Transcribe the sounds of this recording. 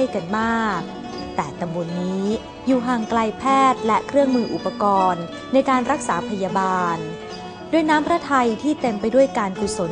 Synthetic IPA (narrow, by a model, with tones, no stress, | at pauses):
əjka˧nmaː˥˩k̚ | t̪ɛː˨˩t̪a˧mbo˧nːiː˦˥ | juː˨˩ɦaː˧˩ŋkla˧jpʰɛː˥˩t̪̚lɛ˦˥kʰɾɯ˥˩əŋmɯː˧ʔṵ˨˩pːa˧kɔː˧nː | a˧jkaː˧nɾa˦˥k̚saː˩˦pʰa˧jaː˧baː˧n | du˥˩əjnaː˦˥mpʰɾa˦˥t̪ʰa˧jt̪ʰiː˥˩t̪e˧mpa˧jdu˥˩əjkaː˧nku˨˩so˩˦